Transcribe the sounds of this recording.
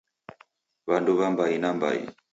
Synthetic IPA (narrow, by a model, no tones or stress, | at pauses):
βanduβambainamba̰ḭ